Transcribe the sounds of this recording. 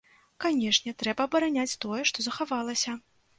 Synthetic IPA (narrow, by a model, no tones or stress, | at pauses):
kanʲɛʂnʲɛt̪ɾɛbɐːbɐɾanʲat͡sʲt̪ɔjɛʂt̪ɔzɐxavalˠɐsʲɐ